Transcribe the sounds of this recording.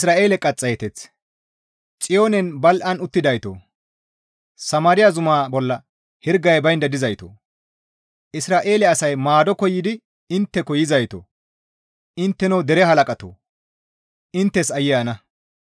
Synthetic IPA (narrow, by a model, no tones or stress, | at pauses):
ɪsɾaːʔe̞ːlɛkʼɐt͡sʼːɐjɛt̪ɛt͡s | t͡sʼɪjo̞ːnɛnbɐlʔɐnʊt̪ːɪd̪ɐjt̪o̰ː | sɐmaːɾɪjazʊmaːbɔlːɐ | hɪɾɡɐjbɐjnd̪ɐd̪ɪzɐjt̪o̰ː | ʔɪsɾaːʔe̞ːlɛɐsɐjmaːd̪ɔkɔjːɪd̪ɪ | ɪnt̪ːɛkɔjɪzɐjt̪o̰ː | ʔɪnt̪ːɛnɐwd̪ɛɾɛɦɐlɐkʼɐt̪o̰ː | ʔɪnt̪ːɛsɐjːɪjɐnɐ